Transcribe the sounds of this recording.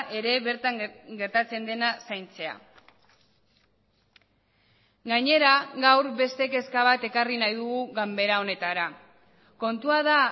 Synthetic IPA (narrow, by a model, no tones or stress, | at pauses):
ʔe̞ɾe̞βe̞ɾt̪aŋɡe̞ɾt̪at͡se̞nd̪e̞nasajnt͡se̞a̰ | ɡaɲe̞ɾaɡawɾbe̞st̪e̞ke̞skaβ̞at̪e̞karinajðuɣuɣambe̞ɾao̞ne̞t̪aɾa | ko̞nt̪uaða